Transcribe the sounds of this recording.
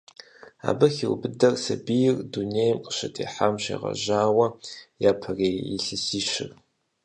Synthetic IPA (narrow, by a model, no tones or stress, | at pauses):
a̰ːbɐxiwbɨdɐrsɐbijɪrduneːjmqə̥ʃɐtʰʼḛːħamɕḛːʁɐ̰ʒaːwɐjaːpʰɐreːḭɬɨsiːʃɪr